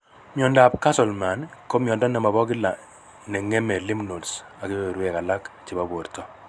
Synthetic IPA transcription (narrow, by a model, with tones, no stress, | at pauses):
mjɔ˨nda˨pka˦sɔ˨lma˨nko˦mjɔ˨ndɔ˦nɛ˨ma˨βɔ˦kɪ˦la˨ | nɛ˨ŋe˦mɛ˨li˦mno˨lsa˨ki˦be˨ɾwɛ˨ka˨la˦kt͡ʃi˨ba˦bo˨ɾtɔ˦